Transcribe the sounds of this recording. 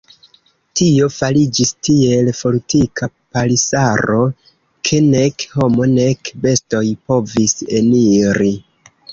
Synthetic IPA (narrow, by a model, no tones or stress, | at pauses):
tio̞falid͡ʒistie̞lfo̞ɾtikʰa | palisaɾo̞ | kʰe̞ne̞kho̞mo̞ne̞kbe̞sto̞jpo̞vise̞niɾi